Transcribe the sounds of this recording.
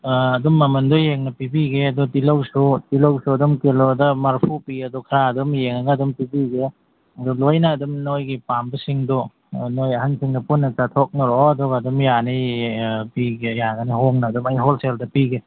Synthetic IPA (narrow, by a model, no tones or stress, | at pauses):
ɐdumːɐmɐndojeŋnɐpibiɡeɐdɔtilowsutilowsuɐdumkelodɐmaɾpʰupiɐdɔkʰaɾaɐdumjeŋɐɡɐːdumpibiɡe | ɐdulojnɐːdumnojɡipambɐsiŋdɔ | nojɐhansiŋdɐpunːɐt͡ʃatʰok̚nɐɾɔɐdɔɡɐɐdumjani | piɡejaɡɐniɦoŋnɐːdumɐjɦolseldɐpiɡe